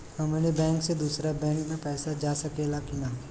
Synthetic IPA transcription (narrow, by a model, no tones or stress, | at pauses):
hɐmlebɛ̃ːŋksed̪uːsɾabɛ̃ːŋkmẽpɛːsad͡ʒaːsɐkelakinaː